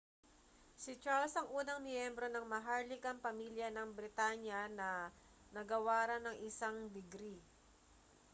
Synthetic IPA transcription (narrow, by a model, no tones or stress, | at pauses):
sɪt͡ʃaɹlsɐŋʔuːnɐŋmjɛmbɾo̞nɐŋmɐɦaɹlɪkɐmpɐmiljɐnɐŋbɾɪt̪aɲjɐnɐ | nɐɡɐwaːɾɐnɐŋʔɪsaŋd̪ɪɡɾi